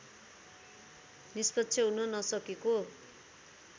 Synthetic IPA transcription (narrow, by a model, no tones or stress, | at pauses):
nispʌtːt͡sʰjʌɦunʌnʌsʌkeko